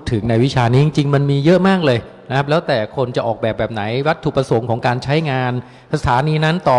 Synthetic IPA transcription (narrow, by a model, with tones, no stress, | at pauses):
t̪ʰːɯ˨˩˦ŋna˧jwi˦˥t͡ɕʰaː˧niː˦˥t͡ɕi˧ŋt͡ɕi˧ŋma˧nmiː˧jɤ˦˥ʔmaː˥˩k̚lɤː˧j | na˦kʰa˦˥p̚lɛː˦˥wt̪ɛː˨˩kʰo˧nt͡ɕa˨˩ʔɔː˨˩k̚bɛː˨˩p̚bɛː˨˩p̚na˩˦jwa˦˥t̪ʰːu˨˩pɾa˧so˩˦ŋkʰɔː˩˦ŋkaː˧nt͡ɕʰa˦˥jŋaː˧n | sʰa˧t̪ʰaː˩˦niː˧na˦˥nt̪ɔː˨˩